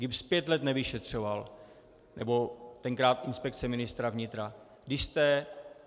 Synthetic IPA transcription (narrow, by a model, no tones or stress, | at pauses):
ɡɪbspjɛt̪lɛt̪nɛvɪʃɛt̪r̝̥o̞val | nɛbo̞t̪ɛŋkɾaːt̪ʔɪnspɛkt͡sɛmɪnɪst̪ɾavɲɪt̪ɾa | ɡdɪʃst̪ɛ